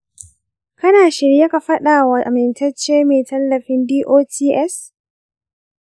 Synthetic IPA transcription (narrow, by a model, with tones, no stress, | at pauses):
kɐ˦naː˨ʃɪ˨ɽje˦ka˨ɸɐ˦ɗaː˨wa˨ʔa̰˨mɪ˨ntɐ˦t͡ʃːeː˦meː˨tɐ˦lːɐ˨ɸɪ˦ndiː˦ʔoː˦tʰiː˦ʔɛ˦s